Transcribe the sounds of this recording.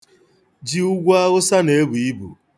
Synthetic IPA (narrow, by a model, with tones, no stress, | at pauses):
d͡ʒi˦u˦ɡʷa˦ɣʊ˦sa˦ne˨e˦bu˨i˦bṵ˨